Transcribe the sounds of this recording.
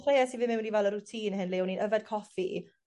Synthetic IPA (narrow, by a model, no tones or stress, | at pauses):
χrejɛsivɪmɪwɪnivɛlˠərutʰiːnhɨnlewninʔəvɛd̚kʰɔfi